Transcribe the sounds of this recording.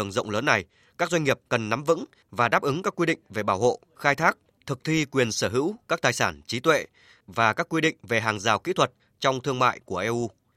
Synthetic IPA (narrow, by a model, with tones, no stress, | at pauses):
əŋzə̰˧˨wŋ͡mləː˨˦nːa˨˩j | kaː˦˥k̚za˧ŋŋi˨˩əp̚kə˨˩nːa˨˦mvɨ̰˧˥ŋ | vaː˨˩ɗaː˦˥p̚ʔɨ˨˦ŋkaː˦˥kːwi˧ɗḭ˧˨ŋ̟ve˨˩ɓaː˧˩who̰˧˨ | xaː˧jt̪ʰaː˦˥k̚ | t̪ʰɨ˨˩k̚t̪ʰwi˧kwi˨˩ənsəː˧˩ɦɨ̰˧˥wkaː˦˥k̚t̪aː˨˩jsaː˧˩nt͡ɕi˨˦t̪wḛ˧˨ | vaː˨˩kaː˦˥kːwi˧ɗḭ˧˨ŋ̟ve˨˩ɦaː˨˩ŋzaː˨˩wkḭ˧˥t̪ʰwə˨˩t̚ | t͡ɕɔ˧wŋ͡mt̪ʰɨ˧əŋma̰ː˧˨jku˧˩əʔɛ˧ʔu˧